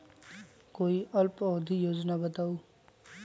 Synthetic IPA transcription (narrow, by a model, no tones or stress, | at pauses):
koːiʔɐlpɔːd̪ʱijoːd͡ʒnabɐt̪aːuː